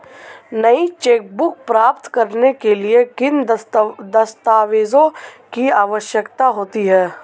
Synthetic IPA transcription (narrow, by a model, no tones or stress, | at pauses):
nɐit͡ʃeːk̚bʊk̚pɾaːpt̪kɐɾnekeliekɪn | d̪ɐst̪aːʋeːzõkiaːʋəʃjəkt̪aɦoːt̪iɦɛː